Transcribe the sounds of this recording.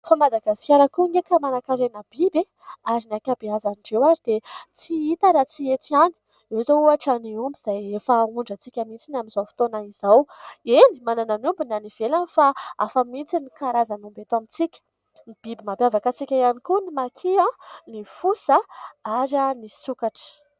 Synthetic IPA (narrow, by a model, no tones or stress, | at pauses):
famad̪aɡaskʲaɾəkuŋekamanakaɾenab̥ibe | aɾinakabiazaniɖ͡ʐewaɾid̪̥et͡siit̪aɾat͡siet̪iani̥ | ezouaʈ͡ʂaniumbiz̥ajefauɳɖ͡ʐət͡sikʲəmit͡sinaminzawfi̥t̪onaiz̥awenimanananumbinaniv̥elanifaa̰famit͡sinikaɾazanumbet̪amit͡sikʲə̥ | nib̥ibimabjavakat͡sikʲajanikunimakʰianifusaaɾanisukaʈ͡ʂə̥